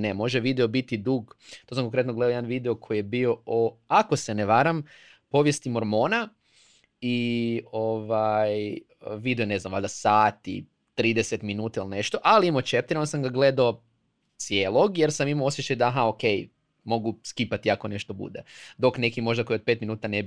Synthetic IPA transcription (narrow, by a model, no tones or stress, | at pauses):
nemo̞ʒeʋid̪eo̞bit̪id̪uːɡt̪os̬amkoŋkɾet̪noɡle̞d̪ajed̪anʋid̪eo̞kʰo̞jijebio̞oako̞se̞neʋaɾam | po̞ʋje̞st̪imoɾmo̞ːna | ioʋaj | ʋid̪eone̞znamʋa̰lʲd̪asaːt̪ḭ | t̪ɾiːd̪eset̪minuːt̪ailne̞ʃt̪o̞ʔaliimot͡ʃep̚t̪iɾonsamɡaɡle̞d̪ao | t̪sjeːlˠoɡje̞ɾsamimoo̞sjet͡ʃajd̪aɦaoke̞j | mo̞ɡuskipat̪iako̞ne̞ʃt̪o̞bṵd̪ed̪o̞kne̞kimo̞ʒd̪ako̞jiot̪pet̪minuːt̪anebi